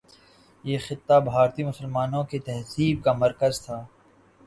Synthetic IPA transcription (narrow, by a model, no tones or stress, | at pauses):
jeːxɪt̪ːabʱaːɾt̪imʊsəlmaːnõket̪ɛɦsiːb̚kamɐɾkəzt̪ʰaː